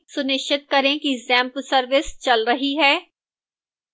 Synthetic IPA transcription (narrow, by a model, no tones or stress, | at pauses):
sʊnɪʃət̪̚kɐɾẽkizɛ̃ːmplsɐɾʋɪst͡ʃɐlɾɐɦiɦɛː